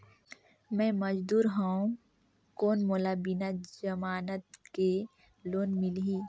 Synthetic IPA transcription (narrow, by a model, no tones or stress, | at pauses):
mɛ̃mɐd͡ʒd̪uːɾɦaũ | koːnmoːlabɪnad͡ʒɐmaːnət̪̚ke | loːnmɪlɦiː